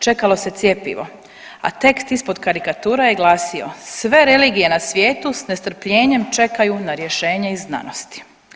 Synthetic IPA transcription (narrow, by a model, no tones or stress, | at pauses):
t͡ʃe̞kalo̞se̞t̪sjepḭʋo̞̰ | a̰t̪e̞kst̪ispo̞d̪kaɾikat̪uːɾajeɡlˠaːsio̰sʋe̞ɾe̞liːɡije̞nasʋjeːt̪usnest̪r̩pʎe̞ːɲe̞mt͡ʃe̞kajunaɾje̞ʃe̞ːɲeizna̰nost̪i̥